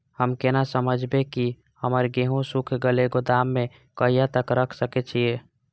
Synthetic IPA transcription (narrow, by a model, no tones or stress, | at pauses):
həmkenasəməd͡ʒʱbeki | həməɾɡeːɦõsukʰɡəleɡod̪aːmːẽ | kəijat̪əkɾəkʰsəket͡ʃʰie